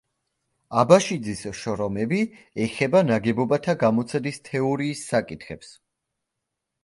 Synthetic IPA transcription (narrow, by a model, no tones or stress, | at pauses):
abaʃid̪zisʃɔɾɔmɛbi | ɛχɛbanaɡɛbɔbat̪ʰaɡamɔt̪sʰɛd̪ist̪ʰɛɔɾiːsːakʼit̪ʰχɛps